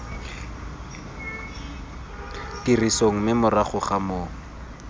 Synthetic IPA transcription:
tirisoŋ̩mɪmʊraχʊχamoːŋ̩

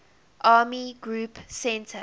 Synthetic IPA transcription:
ʔaːmiɡɹuːpsɛ̃ntʰə

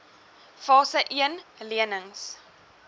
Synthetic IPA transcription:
fɑːsəʔiənliənəŋs

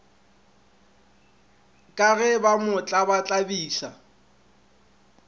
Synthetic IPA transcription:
kʼaɣɛbamʊt͡ɬʼabat͡ɬʼabiːsa

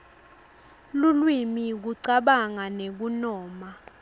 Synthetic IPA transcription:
lulwimik̬uǀaɓaŋanek̬unɔːma

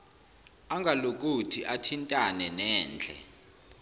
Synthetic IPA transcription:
aŋɡʱalok̬ʼutʰiʔatʰintʼanɛnɛːnd͡ɮʱɛ̰

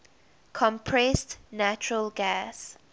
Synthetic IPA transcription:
kʰɔ̃mpʰɹɛstnat͡ʃʊɹəlɡas

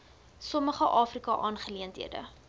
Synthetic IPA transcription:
sɔməχəʔɑːfrikɑʔɑːnχəliəntɦḭədə̰

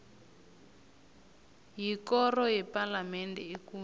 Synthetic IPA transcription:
jikɔrɔjɛpalamɛndʱɛekuː

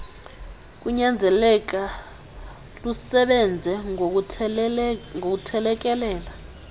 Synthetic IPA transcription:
k̬ʼuɲand͡zʱɛlɛk̬ʼa | lusɛɓɛnd͡zʱɛ | ŋok̬utʰɛlɛk̬ɛlɛːla

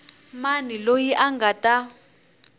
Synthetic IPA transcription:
manilojiʔaŋɡatʼa

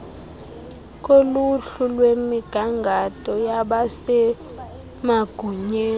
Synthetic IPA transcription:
kʼoluɬulwemiɡ̥ʱaŋɡʱatʼɔjaɓasɛ | maɡ̥ʱuɲeː

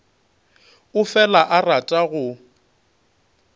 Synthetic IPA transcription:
ʊfɛlaʔaratʼaɣʊ

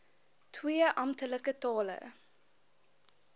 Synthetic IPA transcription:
tʰwiəʔɐmtələkətɑːlə̰

